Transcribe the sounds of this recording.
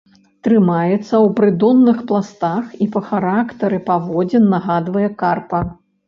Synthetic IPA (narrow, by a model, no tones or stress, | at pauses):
t̪ɾɨmajɛt̪sːɐwpɾɨd̪ɔnːɨxplˠast̪axipɐxaɾakt̪ɐɾɨpavɔd͡zʲɛnːaɣad̪vɐjɛkarpɐ